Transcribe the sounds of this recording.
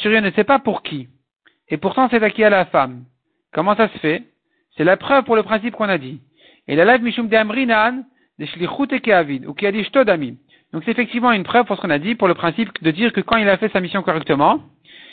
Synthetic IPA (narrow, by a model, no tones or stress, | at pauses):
t̪yʁjønəsɛpapuʁkʰʲi | epuʁt̪ɑ̃sɛt̪akʲealafam | kɔmɑ̃sasə̥fɛ | sɛlapχœvpuʁləpχɛ̃s̬ipkɔ̃nad̪i | ilalɛvmiʃumd̪eamʁinan | d̪əʃliχut̪ekeavid̪ṵkiad̪iʃt̪od̪ami | d̪̥ɔ̃ksɛt̪efɛk̚t̪ivmɑ̃ynpχœv̥puʁsə̥kɔ̃nad̪ipuʁləpχɛ̃sipd̪əd̪iʁkəkɑ̃ilafɛsamisjɔ̃kɔʁɛk̚t̪əmɑ̃